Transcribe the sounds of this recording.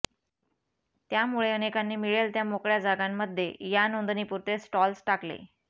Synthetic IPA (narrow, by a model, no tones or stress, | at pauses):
t̪jamuɭeənekanːiːmiɭelt̪jamokɭjad͡zaɡamːəd̪ʱːjḛjanond̪niːpuɾt̪esʈɔlsʈaklḛ